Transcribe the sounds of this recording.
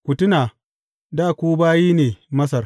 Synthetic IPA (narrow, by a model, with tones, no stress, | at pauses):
kʷʊ˨tʊ˦naː˨ | daː˦˨kʷuː˦baː˦jiː˦neː˨mɐ˦s̬ɐ˨r